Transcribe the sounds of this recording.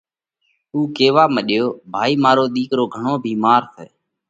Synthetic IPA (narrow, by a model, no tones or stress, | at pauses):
uːkeːʋaːməɗjoːbʱaːiːmaːɾoːɗ̪iːkɾoːɡʱəɳoːbʱiːmaːɾseː